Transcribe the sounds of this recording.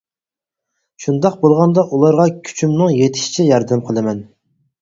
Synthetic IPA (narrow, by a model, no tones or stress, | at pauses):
ʃund̪ɑqbolˠʁɑnd̪ɑʔulˠɑɾʁɑkʲʰy̥t͡ʃʰymnɨŋjet̪ʰɪ̥ʃi̥t͡ʃʰɛjɑɾd̪æmqʰəlˠɨmɛn